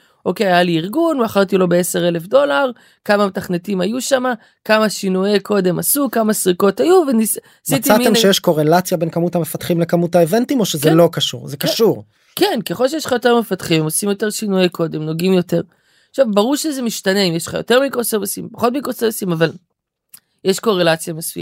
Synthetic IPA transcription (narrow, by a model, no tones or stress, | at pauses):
ʔo̞kejajaliiʁɡunaχaʁt̪ilo̞beese̞ʁe̞lefdo̞laʁ | kamame̞taχne̞timajuʃama | kamaʃinujeko̞de̞masukamasʁiko̞tajuvenis | smitt͡s̪iamiemʃejeʃko̞ʁelat͡sjabe̞nkamutamefatχimlekamutaeventimo̞ʃezelo̞kaʃṵʁzekaʃuʁ | kenke̞χolʃejeʃlχajo̞te̞ʁme̞fat̪χimmo̞simjote̞ʁʃinujekʰo̞de̞mno̞ɡimjo̞te̞ʁ | χʃavbaʁuʁʃezemiʃtane̞imjeʃlχa̰jo̞̰te̞ʁmikʁosevsimpaχo̞tmikʁosevsimaval | jeʃko̞ʁe̞lat͡sjamasṵa̰